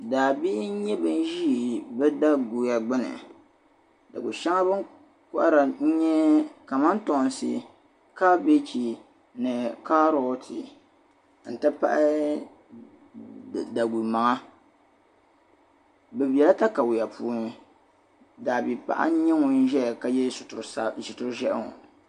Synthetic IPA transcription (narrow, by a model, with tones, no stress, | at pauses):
daː˨bi˦ɲɛ˦bɨ˦n˦ʒi˦˨bɛ˦da˦ɡu˨ja˨ɡ͡bɨ˦nɨ̰˨ | da̰˨ɡu˨ʃa˦ŋa˦bɨ˦ŋ | kɔ˦ʔa˦ɾa˨˦ɲɛ˦ka˨ma˦n˦to˨n˨sḭ˨ | ka˦be˦t͡ʃi˨ | nɨ˨ka˦ɾo˦tʰi˨ | n̩˨tɨ˦pa̰˦ʔa˦ | da˨ɡu˨ma˨ŋa˦ | bɛ˨bi˨ɛ˨la˦ta˦ka˨wʊ˨ja˨pu˨˦n˨ | da˨bi˨pa̰˨ʔa̰˦ɲɛ˦ŋɔ˨n̩˦ʒɛ˦˨ka˨jɛ˦˨sʊ˨tʊ˦ɾʒɛ˦ʔŋɔ̰˨